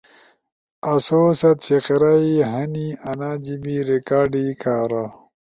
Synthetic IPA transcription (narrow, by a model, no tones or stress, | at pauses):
ɐsoːsɐt̪fiqɾaiɦɐniɐnad͡ʑibiɾikaːɖikʰaːɾa